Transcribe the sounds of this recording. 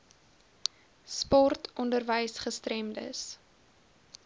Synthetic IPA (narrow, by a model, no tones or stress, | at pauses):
spɔrtɔndərvəjsχəstrɛmdə̰s